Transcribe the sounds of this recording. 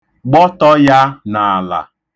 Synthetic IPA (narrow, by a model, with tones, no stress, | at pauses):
ɡ͡bɔ˦tɔ˦ja˦na˨la̰˨